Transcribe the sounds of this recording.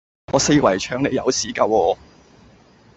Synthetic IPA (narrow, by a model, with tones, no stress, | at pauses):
ŋɔː˨˧se˧jwɐ˨˩jt͡ʃʰœː˧ŋne˨˧jɐ˨˧wsiː˨˥kɐ˧wɔː˧